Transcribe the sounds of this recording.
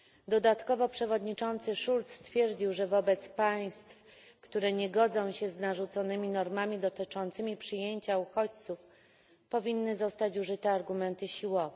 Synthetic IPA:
d̪ɔd̪at̪kɔvɔpʂɛvɔd̪ɲit͡ʂɔnt̪sɘʂult̪sst̪fʲjɛɾd͡ʑiwʐɛvɔbɛt̪spaj̃st̪f | kt̪uɾɛɲɛɡɔd̪zɔ̃w̃ɕɛznaʐut̪sɔnɘmʲinɔɾmamʲid̪ɔt̪ɘt͡ʂɔnt̪sɘmʲipʂɘjeɲt͡ɕauxɔt͡ɕt̪suf | pɔvʲinːɘzɔst̪at͡ɕuʐɘt̪ɛaɾɡumɛnt̪ɘɕiwɔvɛ

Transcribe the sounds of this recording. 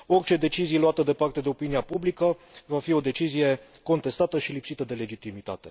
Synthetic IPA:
o̞rʲt͡ʃe̞d̪e̞t͡ʃizijeluat̪əd̪e̞part̪e̞d̪e̞o̞piniapublikəvafio̞d̪e̞t͡ʃizije̞ | ko̞nt̪e̞st̪at̪əʃilipsit̪əd̪e̞le̞d͡ʒit̪imit̪a̰t̪e̞

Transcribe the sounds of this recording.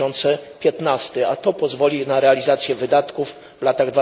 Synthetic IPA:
ɔnt̪sɛpʲjɛt̪nast̪ɛat̪ɔpɔzvɔlʲinaɾɛalʲizat̪sʲjɛvɘd̪at̪kuv | vlat̪aɣd̪va

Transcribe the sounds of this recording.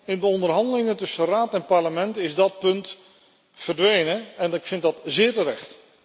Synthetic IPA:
ɪndəɔndərɦɑndəlɪŋətɵsəraːtɛnpaɹləmɛntɪzdɑt̚pɵnt | fərdʋejnəɛnɪkfɪntdɑtzɪːɹtərɛχt

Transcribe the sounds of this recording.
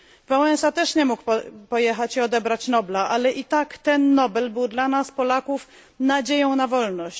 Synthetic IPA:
vawɛnsat̪ɛʂɲɛmukppɔjɛxat͡ɕiɔd̪ɛbɾat͡ɕnɔblaʔalɛʔit̪akt̪ɛnːɔbɛlbɘwd̪lanaspɔlakuf | nad͡ʑejɔ̃w̃navɔlnɔɕt͡ɕ

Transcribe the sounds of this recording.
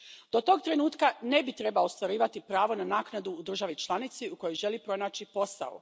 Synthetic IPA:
d̪̥o̞t̪o̞ːɡ̚t̪ɾe̞nuːt̪kane̞bit̪ɾe̞baost̪ʋaɾiːʋat̪ipɾaːʋo̞nanaːknad̪uːd̪r̩ʒaʋit͡ʃlˠanit̪siuko̞jojʒe̞lipɾo̞naːt͡ɕipo̞sa̰o̰

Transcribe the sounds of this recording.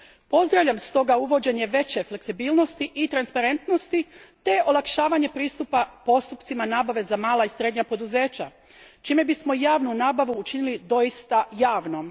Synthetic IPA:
po̞zd̪ɾaʋʎʲamst̪o̞ɡauʋo̞d͡ʑe̞ɲe̞ʋe̞t͡ɕe̞fle̞ksibiːlˠno̞st̪iʔit̪ɾanspaɾe̞nt̪no̞st̪it̪e̞olˠakʃaːʋaɲe̞pɾiːst̪upapo̞st̪upt̪simanaːbaʋe̞zamaːlaisɾe̞d̪ɲapo̞d̪uze̞ːt͡ɕa̰ | t͡ʃime̞bismo̞jaːʋnunaːbaʋuːt͡ʃinilid̪o̞jist̪ajaːʋno̞m

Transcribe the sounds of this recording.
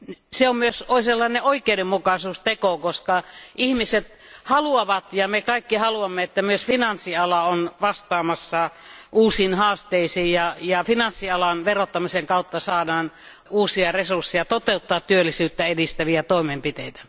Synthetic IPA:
nseommyøsoˑiselːɑˑineʔoikˑeudemmukɑsuːst̪ekokoskɑʔihmiset̪ | hɑluɑʋɑt̪jɑmekɑikːihɑluɑmːeet̪ːæmyøsfinɑnsːiɑlɑonʋɑst̪ɑːmɑsːɑʔuːsiːnhɑːst̪eisiːjjɑjɑfinɑnsːiɑlɑnʋerot̪ːɑmiseŋkɑˑut̪ːɑsɑːdɑːn | uːsiɑresursːijɑt̪ot̪eut̪ːɑːt̪t̪yølːisyːt̪ːæedist̪æʋiæt̪oimempit̪eˑit̪æ̥

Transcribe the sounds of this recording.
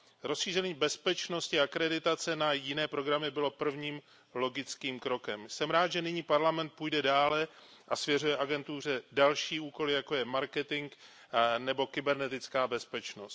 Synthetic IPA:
ɾosʃiːr̝ɛɲiːbɛspɛt͡ʃno̞scɪakɾɛdɪt̪at͡sɛnajɪnɛːpɾo̞ɡɾamɪbɪlo̞pr̩vɲiːm | lo̞ɡɪt͡skiːmkɾo̞kɛmsɛmɾaːt̪ʒɛnɪɲiːpaɾlamɛnt̪̚puːjdɛdaːlɛʔasvjɛrujɛʔaɡɛnt̪ur̝ɛdalʃiːuːko̞lɪjako̞jɛmaɾkɛt̪ɪŋk | nɛbo̞kɪbɛɾnɛt̪ɪt͡skaːbɛspɛt͡ʃno̞st̪

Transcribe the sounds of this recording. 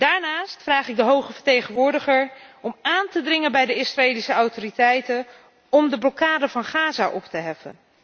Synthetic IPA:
d̥aːɹnaːstfraːχɪɡ̚dəɦowχəvəɹtejχənʋʊːɹdəχəɹɔmaːntədrɪŋənbɛjdəɪsraeːlisəawtoritɛjtən | ɔmdəblɔkaːdəvɑnχaːzaʔɔptəɦɛfə̰n

